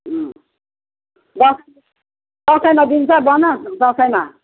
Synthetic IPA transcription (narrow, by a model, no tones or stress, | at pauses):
d̪ʌs | d̪ʌsʌjmad̪int͡sabʌnʌd̪ʌsʌjma